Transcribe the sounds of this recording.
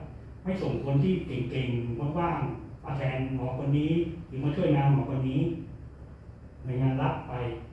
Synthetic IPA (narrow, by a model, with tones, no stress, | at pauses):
ha˥˩jso˨˩˦ŋkʰo˧nt̪ʰiː˥˩ke˨˩ŋke˧˩ŋmo˧˦˥t̚waː˥˩ŋʔaː˧t̪ʰɛː˧nŋɔː˩˦kʰo˧nːiː˦˥juː˨˩maː˧t͡ɕʰu˥˩ə˨jnaː˧˥mŋɔː˨˩˦kwa˧nːiː˦˥ | na˧˩jŋaː˧nla˦˥p̚ːa˧j